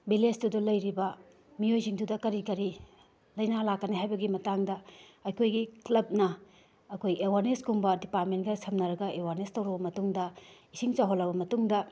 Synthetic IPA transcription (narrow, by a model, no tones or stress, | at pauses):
bilesdudulɐjɾibɐ | miojziŋdudɐkɐɾikɐɾi | lɐjnalakːɐneɦajbɐɡimɐtaŋdɐɐjkʰojɡiklɐb̚nɐ | ɐkʰojewaɾneskuŋbɐdipat̚mentɡɐsʰɐmnɐɾɐɡɐʔewaɾnestɐwɾɐbɐmɐtuŋdɐisiŋt͡ʃaɦolːɐbɐmɐtuŋdɐ